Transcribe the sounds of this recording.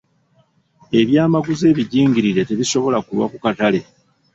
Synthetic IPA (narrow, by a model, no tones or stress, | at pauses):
e̞βjaːmaɡuze̞ːβiɟiːŋɟiɾiɾe̞te̞βiso̞βo̞lakulwa̰kukatale̞